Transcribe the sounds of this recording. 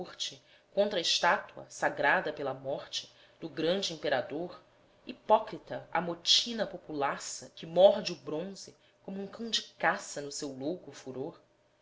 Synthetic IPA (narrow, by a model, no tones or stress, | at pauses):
ɾt͡ʃɪ | kõnt̪ɾɐɪʃt̪at̪uɐ̰saɡɾad̪ɐpelɐmɔɾt͡ʃɪ̥ | d̪̥ʊɡɾɐ̃nd͡ʒɪĩpeɾad̪oɾ | ipɔkɾit̪ɐɐ̰mot͡ʃinɐpopulasɐkɪmɔɾd͡ʒɪʊbɾõzɪ | kõmʊũŋkɐ̃w̃d͡ʒɪkasɐnʊsewlowkʊfuɾoɾ